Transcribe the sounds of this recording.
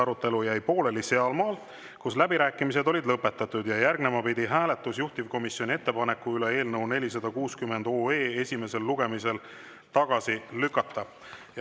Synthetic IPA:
ɑɾut̪ːˑe̞lujæjpo̞ːle̞liseɑlmɑːl | kuslæbiɾæːkːˑimis̬e̞d̪o̞lid̪lɤpːe̞t̪ːˑɑt̪ːˑud̪̥jɑjærɡne̞mɑpid̪̥iɦæːle̞t̪ːˑusjuht̪ivko̞misjo̞nʲie̞t̪ːe̞pɑne̞kːˑuylee̞ːlnɤwne̞lʲis̬ɑd̪̥ɑkuːskymːe̞nd̪̥o̞ːe̞ːe̞sʲime̞se̞lːuɡ̥e̞mise̞l | t̪ɑɡ̥ɑsilykːˑɑt̪ːɑ

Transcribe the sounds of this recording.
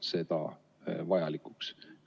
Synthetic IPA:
se̞d̪̥ɑ̰ | vɑjɑlikuks

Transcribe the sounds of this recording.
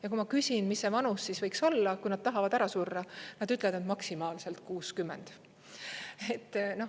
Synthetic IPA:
jɑk̬umɑkysʲinmisːevɑnusːisvɤjkso̞lːɑkujnɑd̪̥̚t̪ɑɦɑvɑd̪æɾɑsurːɑnɑd̪yt̪ˑleɑd̪ned̪mɑksimɑːlse̞lt̪kuːskymːɛnd̪̥ | et̪ːno̞

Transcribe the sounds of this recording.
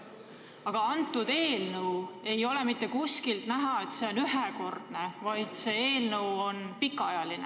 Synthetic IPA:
ɑɡ̥ɑɑnt̪ˑːud̪̥e̞ːlnəwe̞jo̞lemit̪ˑːe̞kuskilt̪næɦɑe̞t̪se̞o̞nyɦeko̞rd̪̥ne̞vɑjd̪̥se̞e̞ːlnəwo̞npikːˑɑɑjɑline

